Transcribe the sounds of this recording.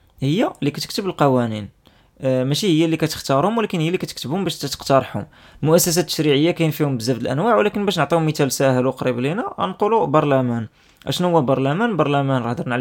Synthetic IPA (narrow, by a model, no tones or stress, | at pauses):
həjːalikæt̪ək̚t̪əbəlqɑwænin | mæʃihəjːælikæt̪ə̥xt̪ɑɾhʊmwlækənhəjːælːikæt̪əkt̪əbhʊmbæʃt̪ːæt̪ə̥qt̪ɑɾˤħhʊ̰m | mʊʔæsːæs̬æt̪ːə̥ʃɾiʕəjːakæjnfihʊmbəzːæbd̪əlʔæ̰nwaʕwlækənbæʃnəʕt̪ˤihʊmːət̪ælsæhəlwqɾiblinæ̰nqulubɑɾˤlæmæn | ʔæ̰ʃnuhʊwːæbɑɾˤlæmænbɑɾˤlæmænɾˤɑħd̪ˤəɾˤnəʕl